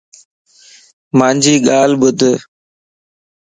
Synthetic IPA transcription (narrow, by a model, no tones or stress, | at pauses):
mãːnd͡ʒiːɠaːlɓʊd̪ʱ